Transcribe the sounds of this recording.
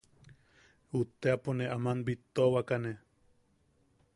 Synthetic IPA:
ut̪eaponeʔamanbit̪owakane

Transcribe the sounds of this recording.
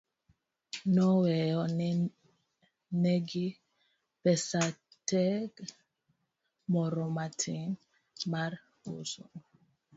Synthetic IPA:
nɔwɛjɔn | neɡi | pɛsatɛɡ | mɔɾɔmatʰiŋ | maɾ | o̰so̰ŋ

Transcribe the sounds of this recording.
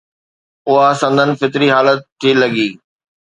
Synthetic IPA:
ʊɦasɐ̃nd̪ʱənɪ̆fɪt̪ɪɾiɦaːlət̪ʰːiːlɐɡiː

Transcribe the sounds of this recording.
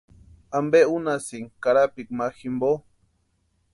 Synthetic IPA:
ambeunasiŋkaɾapikmaximbo

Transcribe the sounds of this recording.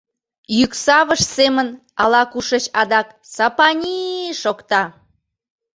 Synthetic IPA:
jyksɑβəʃsemən | ɑlɑkuʃət͡ɕɑd̪ɑk | sɑpɑnʲiʃokt̪ɑ

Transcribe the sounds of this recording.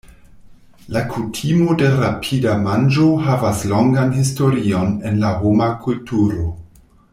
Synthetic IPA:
lakʰutʰimo̞de̞ɾapʰidamand͡ʒo̞havaslo̞ŋɡanhisto̞ɾio̞ne̞nlaɦomakultʰuɾo̞

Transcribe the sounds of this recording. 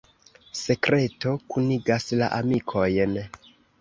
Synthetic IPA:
se̞kɾe̞to̞kuniɡasla̰ʔamikʰo̞jn

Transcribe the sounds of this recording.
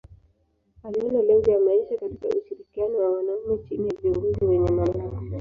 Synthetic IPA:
aliɔnalɛŋd͡ʒajamaiʃakatika̰ʔuʃiɾikianɔwawanaumɛt͡ʃinijaviuŋɡuziwɛɲɛmalakɔ

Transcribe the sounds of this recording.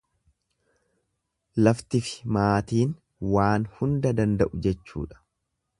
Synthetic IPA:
lɐft̪ɪfɪ̥maːt̪iːn | waːnhʊnd̪ɐd̪ɐnd̪ɐʔʊd͡ʒɛt͡ʃːṵːᶑɐ̥

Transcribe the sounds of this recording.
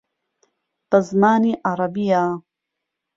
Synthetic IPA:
t̪ɐzmaːniʔaɾˤɑbijaː

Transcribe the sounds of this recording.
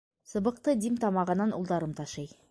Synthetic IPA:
sə̆bəq̚t̪əd̪imt̪ʰɑmɑʁənːɑnṵlˠd̪ɑɾəmt̪ʰɑʃɑj

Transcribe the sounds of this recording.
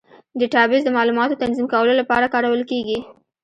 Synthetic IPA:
d̪əʈɑbɪzd̪əmɑlumɑt̪ot̪anzimkawəlolapɑɾakɑɾawəlkeɡi

